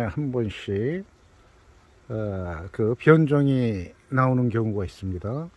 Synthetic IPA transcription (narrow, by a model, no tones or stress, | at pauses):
ehambʌnɕi | kɯpjʌnd͡ʑʌŋinaonɯnkjʌŋuɡais͈ɯmɲida